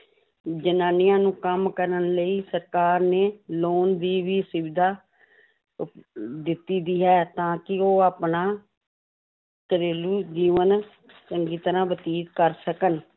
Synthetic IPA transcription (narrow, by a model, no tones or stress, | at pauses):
d͡ʒənaːnɪjãːnũːkəmkəɾənləiːsəɾkaːɾneːloːnd̪iːʋiːsɪʋɪd̪aː | d̪ɪt̪ːiːd̪iːɦɛːt̪ãːkɪoːaːpnaː | kəɾeːluːd͡ʒiːʋən | t͡ʃəŋɡiːt̪əɾãːbət̪iːt̪kəɾsəkən